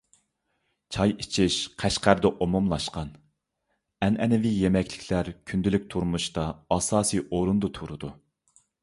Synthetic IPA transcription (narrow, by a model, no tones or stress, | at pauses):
t͡ʃʰɑjit͡ʃʰɪʃqʰæʃqæɾd̪ɛʔomumlˠɑʃqɑn | ɛnɛnɪvijemɛkʲlɪkʲʰlæɾkʲʰynd̪ɪlyk̚ʲt̪ʰuɾmuʃt̪ɑɑsɑːsɨjʔoɾund̪ut̪ʰuɾud̪u